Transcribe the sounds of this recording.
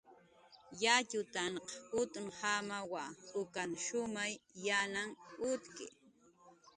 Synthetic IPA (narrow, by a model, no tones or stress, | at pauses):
jat͡ʃʊt̪anqʊt̪ʊŋhamawaʊkaŋʃʊmajːanaŋʊt̪kɪ̰